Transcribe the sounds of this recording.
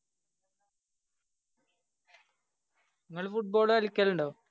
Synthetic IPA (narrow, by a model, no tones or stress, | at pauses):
niŋːɐɭfuʈ̚bo̞ːɭɐlikʲːɐluɳɖoː